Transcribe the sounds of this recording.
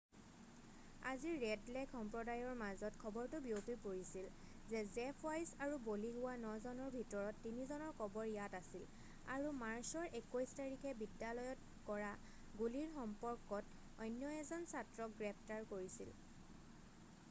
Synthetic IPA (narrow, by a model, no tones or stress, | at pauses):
aziɹɹɛdlɛkʰxɔmpɹɔdajɔɹmazɔtkʰɔbɔɹtʊbiopipoɹisil | zɛzɛpʰajsaɹuboliɦʊwanɔzɔnɔɹbʱitɔɹɔtːinizɔnɔɹkʰɔbɔɹjatasil | a̰ɹumaɹsɔɹʔekojstaɹikʰɛbidjalɔjɔt | kɔɹa | ɡuliɹxɔmpɔɹkɔt | ɔjnjɔɛzɔnsatɹɔk̚ɡɹɛp̚ʰtaɹkoɹisil